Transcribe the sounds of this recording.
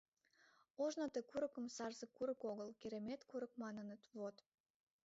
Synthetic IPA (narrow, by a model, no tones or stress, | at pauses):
oʒnot̪ekuɾəkə̆msɑrzəkːuɾə̆koɣəlkeɾemet̪kuɾə̆k̚mɑnənət̪βot̪